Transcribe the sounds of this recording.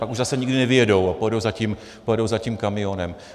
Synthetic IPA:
pakuʒzasɛɲiɡdɪnɛvɪjɛdo̞wapojɛdo̞wzacim | pojɛdo̞wzaciːmkamɪjo̞nɛm

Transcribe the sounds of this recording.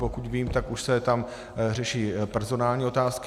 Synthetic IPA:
pokut̪viːmt̪akuʃsɛt̪am | rɛʃiːpɛɾzo̞naːlɲiːo̞t̪aːsk

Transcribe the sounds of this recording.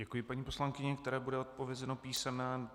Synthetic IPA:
ɛkujɪpaɲiːpo̞slaŋkɪɲɛkt̪ɛɾɛːbudɛot̪̚po̞vjɛzɛnopiːsɛmnɛː

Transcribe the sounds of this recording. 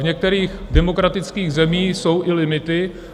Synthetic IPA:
vɲɛk̚t̪ɛɾiːxdɛmo̞kɾat̪ɪt͡skiːɣzɛmiːso̞wʔɪlɪmɪt̪ɪ

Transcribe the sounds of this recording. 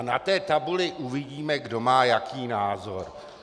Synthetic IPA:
nat̪ɛːt̪abulɪʔuvɪɟiːmɛɡdo̞maːjakiːnaːzo̞ɾ

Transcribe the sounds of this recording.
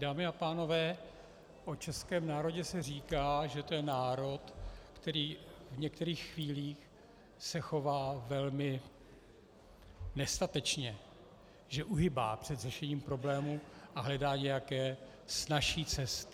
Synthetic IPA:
daːmɪapaːno̞vɛː | ʔo̞t͡ʃɛskɛːmnaːɾo̞ɟɛsɛr̝iːkaːʒɛt̪ojɛnaːɾo̞t̪kt̪ɛɾiːvɲɛkt̪ɛɾiːxːviːliːx | sɛxo̞vaːvɛlmɪ | nɛst̪at̪ɛt͡ʃɲɛ | ʒɛʔuɦɪba̰ːpr̝̥ɛd̪rɛʃɛɲiːmpɾo̞blɛːmuʔaɦlɛdaːɲɛjakɛː | snaʃiːt͡sɛst̪

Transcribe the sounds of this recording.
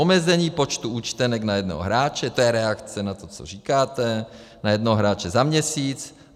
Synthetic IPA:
omɛzɛɲiːpo̞t͡ʃt̪uʔuːt͡ʃt̪ɛnɛknajɛdno̰ɦoɦɾaːt͡ʃɛt̪ojɛɾɛakt͡sɛnat̪ot͡so̰riːkaːt̪ɛ | najɛdnoɦoɦɾaːt͡ʃɛzamɲɛsiːt͡s

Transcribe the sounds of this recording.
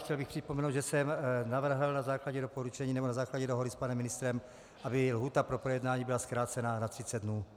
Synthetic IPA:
xcɛlbɪxpr̝̥ɪpomɛnowd̪ʒɛsɛmnavr̩ɦl̩nazaːklaɟɛdopoɾut͡ʃɛɲiːnɛbonazaːklaɟɛdoɦodɪspanɛmːɪnɪst̪ɾɛm | ʔabɪlɦuːt̪apɾo̞pɾojɛdnaːɲiːbɪlaskɾaːt̪t͡sɛnanat̪r̥ɪt͡sɛd̪dnuː

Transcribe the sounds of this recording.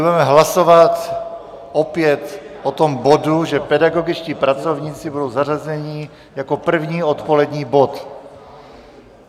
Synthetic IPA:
udɛmɛɦlasovat̪ | ʔopjɛt̪ | ʔot̪omboduʒɛpɛdaɡo̞ɡɪt͡ʃciːpɾat͡sovɲiːt͡sɪbudo̞wzarazɛɲi | jakopr̩vɲiːot̪polɛdɲiːbot̪

